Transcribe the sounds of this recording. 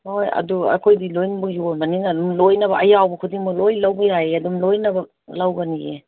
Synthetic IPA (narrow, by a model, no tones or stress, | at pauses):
hojɐ̰duɐ̰kʰojdilojnɐbɐkjonbaninaːdumlojnɐβɐɐjawbɐkʰudiŋmɐlojlawbɐjajeadumlojnɐbɐ | lawɡɐniḛ